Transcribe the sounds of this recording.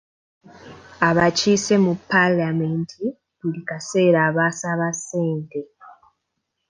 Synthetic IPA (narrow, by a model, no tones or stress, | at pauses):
aβacise̞mupːalameːntʰi | βulikase̞ːɾaːβaːsaβaseːnte̞